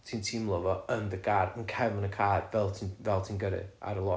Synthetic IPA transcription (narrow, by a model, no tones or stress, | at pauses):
tʰiːntʰiːmlˠəvɔənðəɡadənkʰɛvənəkʰaːdvɛlˠtʰinvɛlˠtʰiːnɡəɾɨ̰a̰ɾəlˠɔ